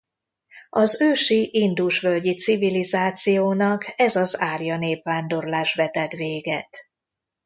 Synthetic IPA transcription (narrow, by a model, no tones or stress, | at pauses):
ɒzøːʃiʔind̪uʃʋølɟit̪sivilizaːt̪sijoːnɒkɛzɒzaːrjɒneːpvaːnd̪o̞rlaːʃʋɛt̪ɛt̪ʋeːɡɛt̪